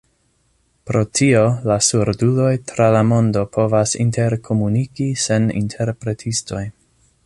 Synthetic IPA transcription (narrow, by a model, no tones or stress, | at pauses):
pɾo̞tʰio̞lasuɾdulo̞jtɾalamo̞ndo̞pʰo̞vasḭntʰe̞ɾkʰo̞munikise̞nḭntʰe̞ɾpɾe̞tʰisto̞j